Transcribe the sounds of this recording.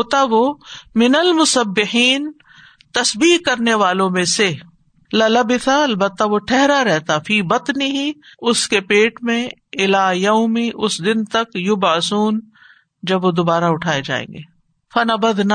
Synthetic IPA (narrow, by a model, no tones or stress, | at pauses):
ɦoːt̪aʋomɪnɐlmʊsɐbːɪħiːn | t̪ɐsbiːkɐɾneʋaːlõmẽse | lɐlɐbɪθaɐlbət̪ːaʋoʈʰɛɦɾaɾɛɦt̪afiːbɐt̪nɪɦiʊskepeːʈmẽɪlaːjɐʊmẽʔʊsd̪ɪnt̪ɐkjʊbʕɪsuːn | d͡ʒɐbʋod̪ʊbaːɾaʊʈʰaːed͡ʒa̰ːḛ̃ːŋɡeː | fɐnɐbɐd̪na